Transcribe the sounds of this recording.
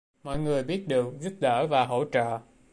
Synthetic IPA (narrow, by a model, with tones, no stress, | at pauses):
mɔ̰˧˨jŋɨ˨˩əjɓi˦˥ət̚ɗɨ˨˩ək̚zu˦˥p̚ɗəː˧˩vaː˨˩ɦo̰˧˥t͡ɕə̰ː˧˨